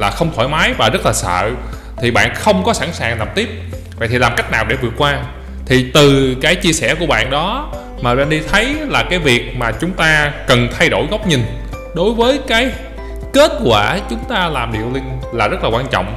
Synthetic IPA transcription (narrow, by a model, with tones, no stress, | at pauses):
laː˨˩xə˧wŋ͡mt̪ʰwa̰˧˩jmaː˨˦jvaː˨˩zə˦˥t̚laː˨˩sə̰ː˧˨ | t̪ʰi˨˩ɓa̰ː˧˨nxə˧wŋ͡mkɔ˨˦sa˧˩ŋsaː˨˩ŋa˨˩p̚t̪i˦˥əp̚ | və̰˧˨jt̪i˨˩laː˨˩mka˦˥jk̟̚naː˨˩wɗe˧˩vɨ˨˩ət̚kwaː˧ | t̪ʰi˨˩t̪ɨ˨˩kaː˨˦jt͡ɕi˧əsɛ˧˩ku˧˩əɓa̰ː˧˨nɗɔ˨˦ | maː˨˩ɓa̰ː˧˨nɗi˧t̪ʰə˨˦jlaː˨˩kaː˨˦jvi˨˩ək̚maː˨˩t͡ɕʊ˨˦ŋ͡mt̪aː˧kə˨˩nt̪ʰa˧jɗo˧˩jɣɔ˦˥wk͡p̚ɲï˨˩ŋ̟ | ɗo˨˦jvəː˨˦jkaː˨˦j | ke˦˥t̚kwaː˧˩t͡ɕʊ˨˦ŋ͡mt̪aː˧laː˨˩mɗḭ˧˨əwlï˧ŋ̟laː˨˩zə˦˥t̚laː˨˩waː˧nt͡ɕɔ̰˧˨wŋ͡m